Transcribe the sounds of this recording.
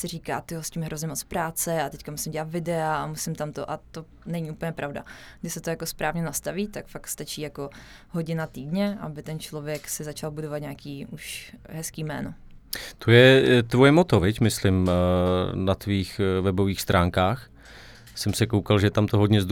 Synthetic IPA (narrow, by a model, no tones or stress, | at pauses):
sɪɾiːka̰ːt̪ɪɦosciːmɦɾʔozɲɛmot͡spɾaːt͡sɛat̪ɛckamusɪmɟɛlat̪vɪdɛaamusɪmt̪amt̪o̰ʔat̪o̞ | nɛɲiupl̩ɲɛpɾavwda̰ɡdɪsɛt̪o̞jako̞spɾaːvɲɛnast̪aviːt̪akfakst̪at͡ʃiːjako̞ | ɦo̞ɟɪnat̪iːdɲɛʔa̰bɪt̪ɛnt͡ʃlo̞vjɛksɪzat͡ʃalbudovat̪ɲaːkiːuʃɦɛskiːmɛ̰ːno̰ | t̪ʰojɛt̪vojɛmot̪ovɪcmɪslɪm | nat̪viːxvɛboviːxst̪ɾʔaːŋkaːx | sɛmsɛkowkalʒɛt̪amt̪oɦodɲɛz